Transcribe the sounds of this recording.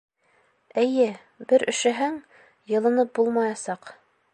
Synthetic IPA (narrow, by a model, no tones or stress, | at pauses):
ɘ̆jɘ | bɘɾɵ̆ʃɘ̆ɦæŋ | jɤ̆lˠɤ̆nɤp̚bulˠmɑjɑsɑq